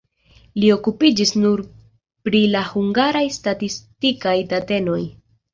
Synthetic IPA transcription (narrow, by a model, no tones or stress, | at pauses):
lio̞kupid͡ʒisnuɾ | pɾilahuŋɡaɾajstatistikajtate̞no̞j